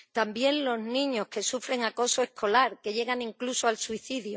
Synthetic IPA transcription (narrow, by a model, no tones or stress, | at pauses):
t̪ambje̞nlo̞znĩɲo̞hke̞sufɾe̞ŋako̞soe̞hkʰo̞laɾke̞ʝe̞ɣaŋĩŋklusoalsuiθiðju